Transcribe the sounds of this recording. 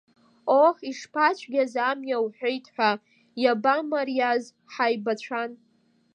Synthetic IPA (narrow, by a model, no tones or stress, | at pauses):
oħiʂpʰat͡ʃʷʰʼɡʲazamjawħʷᶣejtʰʼħʷᶣa | jabamaɾijaz | ħajbat͡ɕʷʰan